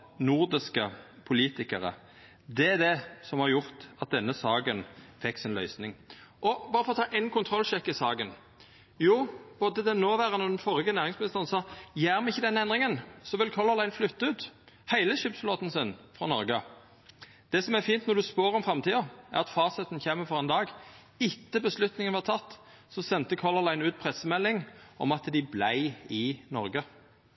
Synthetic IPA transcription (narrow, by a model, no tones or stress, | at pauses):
nʊʁd̪ɪskəpʰʊliːt̪ɪkəʁə̰ | d̪ɛd̪ɛsɔmhɑʁɾjʊʁt̪ɑt̪̚d̪ɛnːəsɑːɡənfɛkːsɪnlœ̰ʏsnɪŋʔɔbɑːɾəfɔʁɔt̪ʰɑːʔɛɪnkʰʊnt̪ʰʁɔlʃɛkːɪsɑːɡən | juːb̥od̪əd̪ɛnoːʋæːʁənɔd̪ɛnfɔʁɪɡənæːʁɪŋsmɪnɪst̪əʁənsɑːjæːʁmɛɪçːəd̪ɛnːəɛnd̪ʁɪŋənsɔʋɪlkʰɔlɑʁlæɪnflʉt̪ːɑʉːt̪ | hæɪləʃʏpsfloːt̪n̩sɪnfʁɔnɔɾɡə | d̪̥ɛːsɔmæʁfiːnt̪nɔʁd̪ʉspoːɾɔmfɾɑmt̪ʰiːɔæ̰ʁɑt̪fɑːsət̪nçeːməfɔɾɛɪnd̪ɑːɡ | ɪt̪ːəbəslʉt̪nɪŋənʋɑʁt̪ʰɑt̪ː | sɔsɛnt̪əkʰɔlɑʁlæɪnʉːt̪̚pʰʁɛsːəmɛlːɪŋʔɔ̰mɑt̪d̪ɪblæɪɪnɔ̰ɾɡə